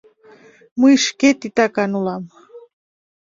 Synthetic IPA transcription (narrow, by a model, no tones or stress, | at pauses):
məjʃket̪it̪ɑkɑnulɑm